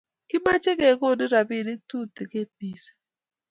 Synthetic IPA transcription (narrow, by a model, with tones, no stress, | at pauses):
ki˦ma˦t͡ʃe˦ke˨ko˦˨dɪ˦ɾa˨bi˦˨ɾi˦tu˦te˨ke˦t̚ni˨se̥˦